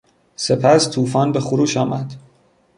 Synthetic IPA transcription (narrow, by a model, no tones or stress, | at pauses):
se̞pʰæst̪ʰuːfɒːnbexoɾuːʃɒːmæd̪̥